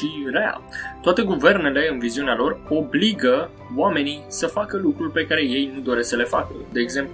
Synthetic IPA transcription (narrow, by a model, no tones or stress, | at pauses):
ʃiɾea̰t̪oat̪e̞ɡuve̞rne̞le̞ɨnviziunealo̞ro̞bliɡə | wame̞nijsəfakəlukɾulpe̞kaɾe̞je̞jnud̪o̞ɾe̞səle̞fakə̰d̪eːɡze̞mplu